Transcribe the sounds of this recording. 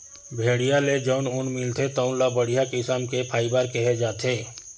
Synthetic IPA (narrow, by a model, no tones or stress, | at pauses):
bʱeːɽijaled͡ʒəʊnʊnmɪlt̪ʰet̪əʊnlabəɽ̤ijakɪsaːmkepʰaːibaːɾkɛɦed͡ʒaːt̪ʰeː